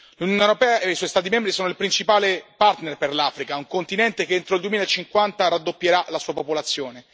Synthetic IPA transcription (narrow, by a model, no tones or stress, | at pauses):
lunjonewɾopɛːaeiswɔjst̪aːt̪̬imembɾisoːnoilpɾint͡ʃipaːlepart̪nerperlaːfɾikauŋkont̪inɛnt̪ekeent̪ɾoild̪uwemilaet͡ʃːiŋkwant̪aɾad̪ːopːjeɾalasuːapopolat̪sːjoːne